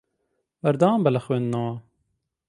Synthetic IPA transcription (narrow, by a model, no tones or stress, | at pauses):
bɐɾd̪ãːmbɐlɐxwennɐwaː